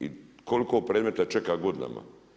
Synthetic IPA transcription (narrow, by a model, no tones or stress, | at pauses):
iko̞likopɾeːd̪me̞t̪at͡ʃekaɡod̪ina̰ma̰